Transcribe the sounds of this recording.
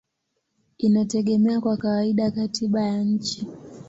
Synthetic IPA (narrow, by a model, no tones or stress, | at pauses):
inatɛɡɛmɛakwakawaiɗakatʰiɓajaɲ̩t͡ʃi